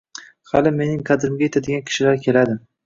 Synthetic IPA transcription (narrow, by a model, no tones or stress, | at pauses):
halɪme̞nɪŋqʰɑd̪ɪɾɪmɡʲajet̪ʰad̪ɪɡʲankʲʰɪ̥ʃɪlaɾkʲʰe̞lad̪ɪm